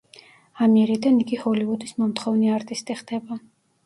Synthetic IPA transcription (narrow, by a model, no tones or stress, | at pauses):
amiɾid̪aniɡihɔlivud̪ismɔmt̪ʰχɔvniaɾt̪ʼist̪ʼiχd̪̥ɛba